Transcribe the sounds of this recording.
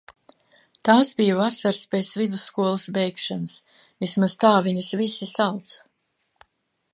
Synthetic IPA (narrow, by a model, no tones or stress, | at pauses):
t̪aːsbijuvasaɾspet̪svid̪usːkuɔlˠasbɛjkʃanas | vismaz̥t̪aːvʲiɲasvisisawt̪sḁ